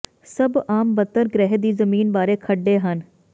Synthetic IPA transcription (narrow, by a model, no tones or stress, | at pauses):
səbaːmbət̪ːəɾɡɾɛɦd̪iːzəmiːnbaːɾeːkʰəɖːeːɦən